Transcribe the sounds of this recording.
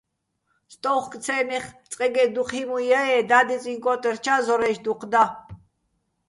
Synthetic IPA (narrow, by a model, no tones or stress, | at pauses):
st̪ʼɔwχkʼt͡sʰɛːnɛχt͡sʼqʼɛɡɛd̪uχʰimujaɛd̪ad̪it͡sʼiŋkʼɔt̪ʼɛrt͡ʃʰazɔɾɛʃd̪uqʰd̪a